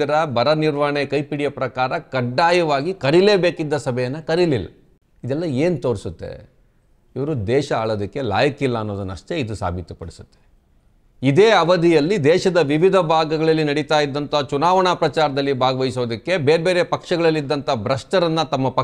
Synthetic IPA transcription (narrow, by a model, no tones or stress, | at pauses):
ɐɾɐbɐɾɐniɾʋɐɳekɐjpiɽijɐpɾɐkaːɾɐkɐɖːaːjɐʋaːɡikɐɾile̞ːbeːkid̪ːɐsɐbʱɛjɐnːɐkɐɾililːɐ̰ | id̪ɛlːɐeːnut̪oːɾisut̪ːḛ | iʋɐɾud̪ɛːʃɐaːɭoːd̪ɐkːe̞la̰ːjɐkilːɐːnːoːd̪ɐnːɐ̰ʂt̪e̞id̪usa̰ːbʱit̪upɐɽisu̥t̪ːe | id̪eːɐʋɐd̪ʱijɐlːid̪ɛːʃɐd̪ɐʋiʋid̪ʱɐbʱaːɡɐɡɐɭɐlːinɐɽit̪aːjid̪ːɐnt̪ɐt͡ʃunaːʋɐɳaːpɾɐt͡ʃaːɾɐd̪ɐlːibʱaːɡɐʋɐjisoːd̪ɐkːe̞beːɾbeːɾe̞pɐkʂɐɡɐɭɐlːid̪ːɐnt̪ɐbɾɐʂʈɐɾɐnːɐt̪ɐmːɐpɐ